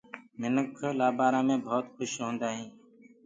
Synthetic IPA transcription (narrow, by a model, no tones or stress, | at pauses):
mɪnəkʰlaːbaːɾãːmẽːbʱoːt̪xʊʃɦõːnd̪aːɦĩː